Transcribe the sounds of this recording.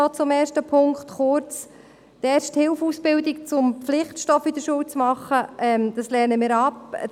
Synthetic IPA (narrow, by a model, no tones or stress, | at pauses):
ɔt͡sʊmɛːɾʃtəpʰʊŋkχt̪χʊɾt͡s | tɛːɾʃthɪlfuːsb̥ɪldik̚t͡sʊmpflɪχtʃtɔfid̥̪əɾʃuːwt͡smɑχəʔɛmd̪̥ɑslɛɾnəmɪːɾɑp